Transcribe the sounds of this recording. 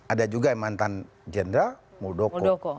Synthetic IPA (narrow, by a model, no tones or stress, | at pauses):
adad͡ʒuɡaɛmant̪an | d͡ʒɛndɾa | mudɔkɔɔkɔ